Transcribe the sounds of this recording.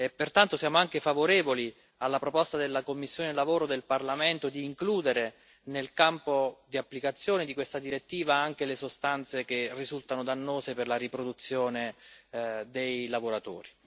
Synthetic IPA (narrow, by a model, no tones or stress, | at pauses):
epːert̪ant̪osjaːmoaŋkefavoɾeːvoli | alːapɾopɔst̪ad̪elːakomːisːjoːnelavoːɾod̪elparlamɛnt̪od̪iːŋkluːd̪eɾe | nelkampod̪iapːlikat̪sːjoːned̪ikwest̪ad̪iɾet̪ːiːvaaŋk̟elesost̪ant̪sek̟erːizult̪anod̪anːoːzeperlaɾipɾod̪ut̪sːjoːne | d̪ejlavoɾat̪o̰ːɾi